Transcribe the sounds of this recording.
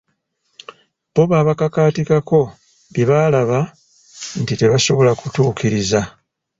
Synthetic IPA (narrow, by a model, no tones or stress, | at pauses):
bo̞βaːβakakaːtikako̞ | biβalaβa | ntite̞βaso̞βo̞lakutuːkiɾiza